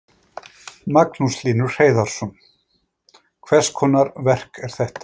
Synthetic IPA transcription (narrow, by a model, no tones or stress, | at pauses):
maknusliːnʏɾ̥reːjðaɾ̥sɔn | kʰvɛr̥skʰɔːnaɾvɛr̥kɛɾ̥θɛht̪ḁ